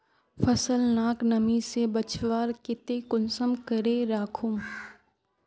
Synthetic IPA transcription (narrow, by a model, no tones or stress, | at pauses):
fʰəsəlnaːknɐmisebət͡ʃʋaːɾkɪt̪ekʊnsəmkəɾeɾaːkʰʊm